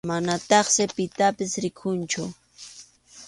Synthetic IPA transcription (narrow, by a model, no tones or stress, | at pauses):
manat̪ɑχsɪpɪt̪apɪsɾɪkʰʊnt͡ʃʊ